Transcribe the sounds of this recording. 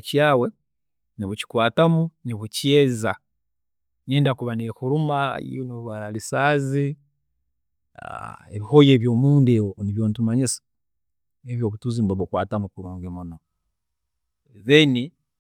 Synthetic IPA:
caːwe̞ | niβuci̥kwaːtamuniβucjeza | neːndakuβanexuɾumaḭoniβuβaɾalisaːzi | a̰eβihojeːβjo̞ːmuːndewoniβjoːnutumaɲisḁ | eβjoːkutuzimboβukwaːtamukuɾuːŋɡemuno | βeni

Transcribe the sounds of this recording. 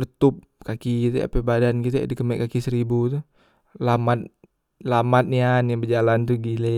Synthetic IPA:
dət̪up̚kakiit̪ɛ̰a̰pebadankit̪ɛdikəmɛ̰ʔkakisəɾibut̪u | lamat̪̚ | lamat̪̚nianjaŋbəd͡ʒalant̪uɡile

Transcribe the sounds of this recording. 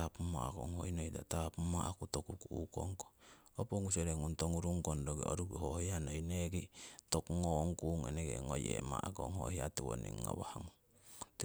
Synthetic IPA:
apma̰ko̰ŋhojnojda̰tapumaʔakutokukuuko̰ŋko | opoŋuseɾeŋuntoŋuɾuŋkondoɡeoɾuɡihohianojneɡitokuŋoŋkuŋḛneɡḛŋojḛmaʔaɡo̰ŋhohiatiwo̰nḭŋːoβahaŋu | t

